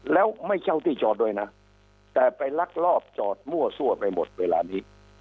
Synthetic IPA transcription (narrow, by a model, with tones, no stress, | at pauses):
lɛː˦˥wma˥˩jt͡ɕʰa˥˩wt̪ʰiː˥˩t͡ɕɔː˨˩t̪̚du˧˩əjna˦˥ | t̪ɛː˨˩pa˧jla˦˥k̚lɔː˥˩p̚t͡ɕɔː˨˩t̪̚mu˥˩ɐsu˥˩ɐpa˧jmo˨˩t̪̚weː˧la̰ː˧niː˦˥